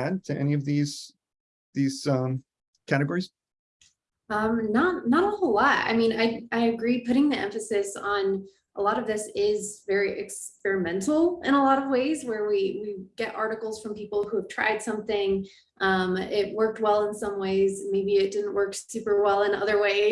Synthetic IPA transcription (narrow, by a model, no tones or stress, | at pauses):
æd̚tʰɨʔɛ̰niʌvðiz̥ | ðiz̥ʌ̃m | kʰæɾɨɡɔɹiz̥ | ʌ̃mnətⁿnəɾ̩olɑt̚a̰ɪmĩna̰ɪaɪɨɡɹipʊɾɪ̃ŋðiʔɛ̰̃ɱfɨsɨsn̩ | ʔəlɔɾʌvðɪsɪzvɛɹiʔɨ̰kspɛɹɨmɛ̃ntl̩ˠɨ̰̃ɾ̃əlɔɾʌvweɪzwə˞wiwiɡɛɾʔɑ̰ɹɾɨkl̩ˠz̥fɹʌ̃mpipl̩ˠhuəv̥tʰɹ̥a̰ɪd̥sʌ̃mθɪ̃ŋ | ʔʌ̃mɪt̚wɜ˞k̚t̚wɛlˠə̃nsʌ̃mweɪzmeɪbiɨt̚d̥ɪdⁿn̩ʔwɜ˞ksʉpə˞wɛlˠə̃nʌ̰ðə˞weɪ